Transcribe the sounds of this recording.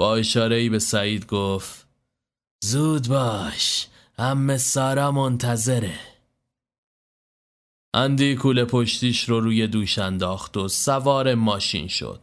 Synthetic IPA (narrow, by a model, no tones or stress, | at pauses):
b̥ɒːeʃɒːɾe̞iːbe̞sæiːd̪̚ɡoːft | zuːd̪bɒːʃ | hæmːe̞sɒːɾɒːmont̪ʰæze̞ɾe | ʔænd̪iːkʰuːlepʰoʃt̪iːʃɾoɾuːje̞d̪uːʃænd̪ɒːxt̪o̞sævɒːɾe̞mɒːʃḭːnʃo̰d̪̥̚